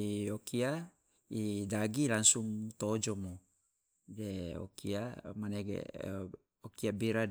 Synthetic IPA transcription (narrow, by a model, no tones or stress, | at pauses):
iokia | idaɡilaŋsuŋt̪od͡ʒomu | deo̰kiamaneɡḛ | okiabiɾa